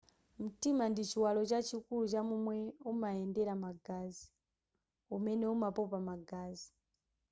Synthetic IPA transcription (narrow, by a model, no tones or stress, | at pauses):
m̩timandit͡ʃiwalɔt͡ʃat͡ʃʰikulut͡ʃamumwɛumaɛndɛɾamaɡazi | umɛnɛumapɔpamaɡaːzi